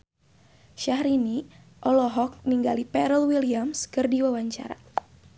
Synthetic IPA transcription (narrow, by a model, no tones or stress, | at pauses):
ʃahɾini | ʔɔlɔɦɔk̚niŋɡalipɛɾəlwiliamskɨrdiwawaɲt͡ʃa̰ɾa̰